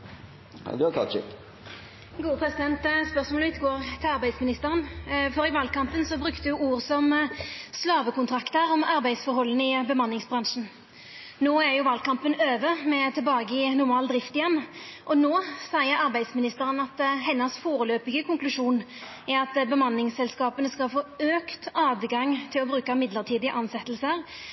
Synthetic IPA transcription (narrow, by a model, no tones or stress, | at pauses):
d̪ʉkʰɑ̰t͡ʃɪ̰k | ɡuːəpʰɾɛsɪd̪ɛnt̪spœʁsmɔlɪt̪ːɡoːʁt̪ʰɪlɑɾbæɪd̪smɪnɪst̪əʁənfɔɾɪʋɑːlkɑmpənsɔbɾʉkt̪əjʊuːʁsɔmslɑːʋəkʊnt̪ʰɾɑkt̪əɾɔmɑɾbæɪd̪sfɔɾhɔlːənɪbəmɑnːɪŋsbɾɑŋʂn̩ | noːæʁjʊʋɑːlkɑmpənøːʋəmɛt̪ʰɛlbɑːɡəɪnʊɾmɑːld̪ɾɪft̪ɪjɛnːʔɔnoːsæɪəɾɑɾbæɪd̪smɪnɪst̪əʁənɑt̪ɦɛnːəsfoːɾəløːpɪɡəkʰʊŋklʉʂuːn | æɑt̪bəmɑnːɪŋsɛlskɑːpənəskɑlfoːøːkt̪ɑːd̪ɡɑŋt̪ʰɪlɔbɾʉːkɑmɪd̪ləʁt̪ʰiːd̪ɪəʔɑnsɛt̪ːəlsəʁ